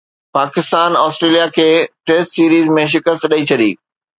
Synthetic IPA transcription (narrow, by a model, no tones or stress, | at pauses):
paːkɪst̪aːnɔːsʈɾeːlijakʰeːʈeːsʈsiːɾiːzmẽʃ̬ɪkəst̪ɗɐit͡ɕʰɐɗḭː